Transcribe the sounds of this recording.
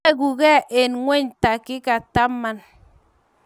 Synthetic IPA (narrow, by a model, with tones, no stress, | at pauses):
ɡu˨kɛ˦ʔe˨nŋʷe˦ɲta˨kɪ˦ka˨ta˦mːa˦n